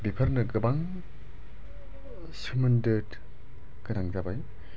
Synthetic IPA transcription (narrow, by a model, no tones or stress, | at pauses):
bipʰɐɾnɯɡɯbaŋ | sɯmɐndɯt | ɡɯnaŋzabaj